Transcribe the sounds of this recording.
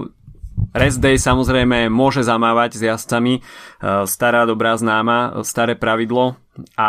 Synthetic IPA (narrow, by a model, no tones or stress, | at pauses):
ɾɛzd̪ɛjsamɔzɾɛjmɛmʊɔʒɛzamaːʋaɟzjast͡sami | st̪aɾaːd̪ɔbɾaːznaːmast̪aɾɛːpɾaʋid̪lɔ | a